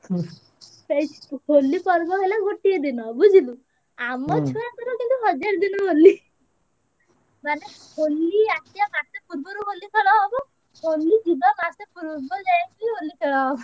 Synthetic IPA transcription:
sejt͡ʃi̥holːipɔɾbɔɦelaɡoʈied̪inɔbud͡ʒʱilu | amɔt͡ʃʰɔjat̪ɔɾɔkint̪uɦɔd͡ʒaɾd̪inɔɦoli | mane | holːiat̪ijamasepuɾbɔɾoɦolikʰɔɽɔɦɔbɔ | ɦolːid͡ʒilɔmasepuɾbɔd͡ʒajkuiɦolːikʰɛɭɔɦɔbɔ

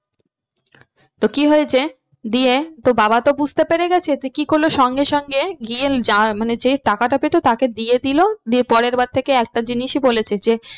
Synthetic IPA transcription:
t̪okiɦɔet͡ɕʰe | d̪iet̪obabat̪obud͡ʑʱt̪epeɾeɡɛt͡ɕʰet̪ekikoɾlːoʃɔŋɡeʃɔŋɡeɡield͡ʑaɾmaned͡ʑeʈakaʈapet̪ot̪aked̪ied̪ilod̪iepɔɾeɾbad̪̚t̪ʰekeɛk̚ʈad͡ʑiniʃibolet͡ɕʰed͡ʑe

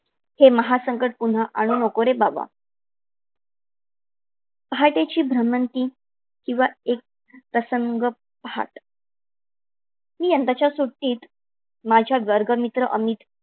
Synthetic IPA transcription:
heməɦasəŋkəʈ̚pun̤aʔaɽ̃uːnokoɾebaʋa̰ | pəɦaʈet͡ɕiːbʱɾəmənt̪iː | kĩw̃ʋaek̚ | pɾəsəŋɡə | pɦa̰ʈ | miːjənt̪at͡ɕjasuʈːiːt̪ | mad͡ʑʱjadʋəɾɡəmit̪ɾəʔəmit̪

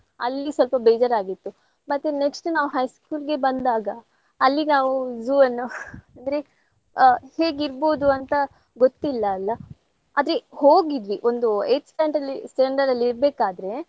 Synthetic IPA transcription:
ɐ̰lːisʋɐlpɐbeːd͡ʒɐɾaːɡit̪ːu | mɐt̪ːeneksʈunaːʋuɦɐjskuːlɡe̞bɐnd̪aːɡɐː | lːinaːʋuzuːɐnːuɐnd̪ɾe̞ | heːɡiɾbo̞ːd̪uɐnt̪ɐ | ɡot̪ːilːɐːlːɐ | aːd̪ɾe̞hoːɡid̪ʋiʔond̪ueːt͡ʃːpɐjɐɳʈɐlːisʈeɳɖɐɾɐlːiɾbeːkaːd̪ɾe̞

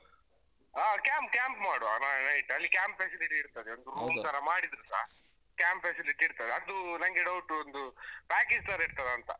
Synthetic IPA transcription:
aːkʲaːmp̚kʲaːmpmaːɽua̰nanɐjʈɐlːikʲaːmpfesiliʈiːɾt̪ɐd̪eond̪uɾuːmt̪ʰɐɾɐmaːɽid̪ɾusa̰ːɦ | kʲaːmpfesiliʈiːɾt̪ɐd̪eɐd̪unɐŋɡeɖɐwuʈːuond̪upaːked͡ʒt̪ɐɾiɽt̪ɐd̪eɐnt̪ɐ̰

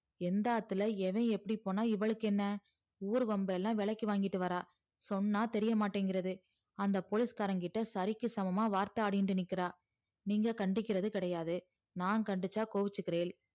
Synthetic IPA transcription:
ɛnd̪aːt̪ːɯlɐɛʋẽːɛpːɐɽipːoːnaːɪʋɐɭɯkːɛnːɐ | uːɾɯʋɐmbɐɛlːãːʋɛɭɐkːiʋaːŋɡɪʈːɯʋɐɾaː | sɔnːaːt̪ɛɾɪjɐmaːʈːeːŋɡɪɾɐðɯ | ɐnd̪ɐpoːlɪskaːɾɐŋɡɪʈːɐsɐɾɪkːɯsɐmɐmaːʋaːɾt̪ɐaːɽɪjnɖɯnɪkːɪɾaː | niːŋɡɐkɐɳɖɪkːɪɾɐðɯkɪɽɐjaːðɯ | naːnkɐɳɖɯt͡ʃːaːkoːʋɪt͡ʃːɯkːɪɾeːl

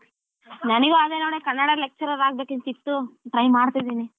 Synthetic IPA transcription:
nɐnɐɡuɐd̪eːnonekɐnːɐɽɐlek̚t͡ʃɐɾɐɾaːɡbeːkent̪it̪ːuʈɾɐjmːaːɽt̪ijd̪iːni

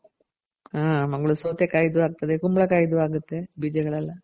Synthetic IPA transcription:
aːmɐŋːɐɭusoːt̪ːekːajd̪uʋaːkt̪ːɐðekumbɐɭɐkajd̪uʋaːkut̪ːebid͡ʑɐɣɐɭɐlːɐ

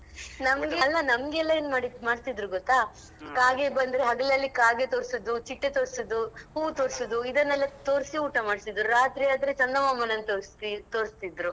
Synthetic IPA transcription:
nɐmɡeɐlːɐnɐmɐɡɛlːɐeːnmaːɽimaːɖt̪id̪ɾuɡɔt̪ːa | kaːɡe̞bɐnd̪ɾeɦɐɡɐlɐlːikaːɡet̪o̞ːɾsud̪ut͡ʃiʈːet̪o̞ːɾsud̪uhuːt̪oːɾsud̪uid̪ɐnːɐlːɐt̪oːɾsiuːʈɐmaːɽsid̪ɾuɾaːt̪ɾiaːd̪ɐɾet͡ʃɐnd̪ɐmaːmɐnɐnt̪oːɾst̪it̪o̞ːɾist̪id̪ɾu

